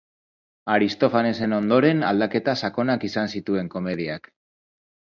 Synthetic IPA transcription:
aɾist̪o̞fane̞se̞no̞nd̪o̞ɾe̞nald̪ake̞t̪asako̞nakisansit̪ue̞ŋko̞me̞ð̞iak

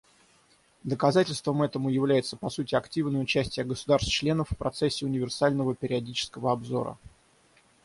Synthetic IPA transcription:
d̪əkɐzatʲɪlʲst̪vəmɛt̪əmʊjɪvlʲæjɪt̪səpɐsutʲɪɐktʲivnəjəʊt͡ɕæsʲtʲɪjəɡəsʊd̪arst̪t͡ɕlʲe̞nəfʲːpɾɐt̪sɛsʲːɪʊnʲɪvʲɪrsalʲnəvəpʲɪɾʲɪɐdʲit͡ɕɪ̥skəvəɐbzo̞̰ɾə̰

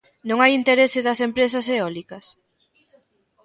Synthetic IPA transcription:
nõŋajint̪eɾesɪðɐsempɾes̬ɐseɔlikɐs

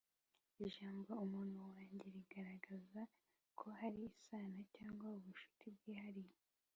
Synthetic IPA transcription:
iʒaːmɡaumuːnhuwaːɲɟe̞ɾiɡaɾaɡaza | kʰo̞haɾiːsaːnacaːŋɡwauβuʃu̥tibɡiːhaɾije

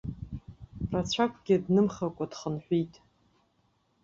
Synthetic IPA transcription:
rat͡ɕʷʰakʷʰʼɡʲɪdnɨmχakʷʼadχənħʷᶣijtʼ

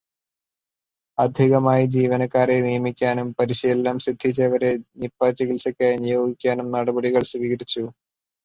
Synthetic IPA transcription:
ɐd̪ʱiɣɐmaːjid͡ʑiːʋɐnɐkːaːrenijɐmikʲːaːnumpɐɾiɕijelːɐmɕid̪ʱːit͡ɕeʋɐɾenipːaːt͡ɕːiɣilsɐkʲːajɐnijo̞ːɡikʲːaːnumnɐɽɐbɐɽiɣɐɭsʋiːɣɐɾit͡ɕːu

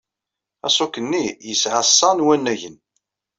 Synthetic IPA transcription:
æsˤokənːijəsʕəsˤːɑnwænːæʝən

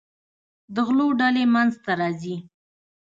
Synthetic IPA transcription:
d̪əɣloɖalemanzt̪aɾɑzi

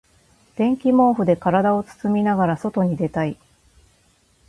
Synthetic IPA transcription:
d̪̥ẽ̞ŋkʲimo̞ːɸɯ̟d̪e̞kaɾad̪ao̞t͡sɨ̥t͡sɨmʲinaɡaɾaso̞t̪o̞ɲ̟id̪e̞t̪ai

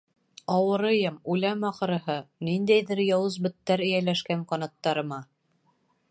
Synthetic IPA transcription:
ɑwɤ̆ɾɤ̆jɤmulæmɑqɤ̆ɾɤ̆ɦɤnind̪æjðɘɾjɑwɤzbɵ̆t̪ːæɾɘ̆jælæʃkæɴqɑnɑt̪ːɑɾɤ̆mɑ

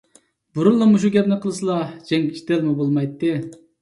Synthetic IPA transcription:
buɾulˠːɑmuʃ̬ukʲɛpnɪqʰəlˠɨsɨlˠɑd͡ʒɛŋʲʰi̥ʃt̪ɛlmubolˠmɑjt̪ːɨ

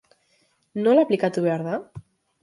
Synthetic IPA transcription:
nolaplikat̪uβɛɾða

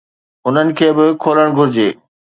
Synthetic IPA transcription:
ʊn̤ənɪ̆kʰeːbɪkʰoːləɽ̃ɡʱʊɾɪd͡ʑeː

